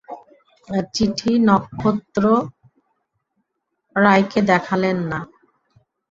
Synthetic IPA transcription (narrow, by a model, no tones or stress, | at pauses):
t͡ɕiʈʰinɔkʰːot̪ːɾo | ɾajked̪ɛkʰalenːa